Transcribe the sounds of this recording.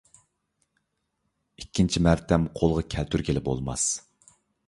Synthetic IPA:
ikʲːint͡ʃʰimæɾt̪ʰɛmqʰolˠʁɑkʲʰɛlt̪ʰyɾkʲelɪpbo̰lˠmɑ̰s

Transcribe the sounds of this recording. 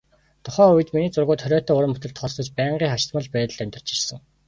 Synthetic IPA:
t̪ʰʊχœːujɘ̆t̪miniːt͡sʊrɣʊːt̪χœɾʲɔːt̪ːʊːɾə̆mɵt̪ɘ̆ɬt̪χʰɔst̪ɞ̆t͡ɕpæːɴɢiːχat͡ɕt̪mə̆ɮpæːt̪ə̆ɮæmʲt̪ə̆r̥t͡ɕi̥ʃsə̆ŋ

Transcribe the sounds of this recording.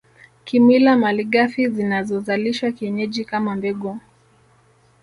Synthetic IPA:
kimwilamaliɠafizinazɔzaliʃwakiɛɲɛʄikamambɛɡɔ

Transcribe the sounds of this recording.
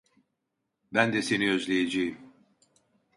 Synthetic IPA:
bænd̪ɛse̞niøzlʲejed͡ʒejim

